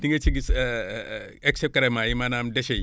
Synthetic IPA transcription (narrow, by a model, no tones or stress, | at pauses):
tiŋɡet͡ʃiɡis | eksep̚kaɾemajimanamdeʃei